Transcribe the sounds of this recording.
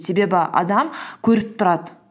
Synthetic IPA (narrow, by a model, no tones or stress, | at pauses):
se̞be̞bɪʔɑ̰d̪ɑmkʲʰɵɾɪp̚t̪ʰʊɾɑd̪ə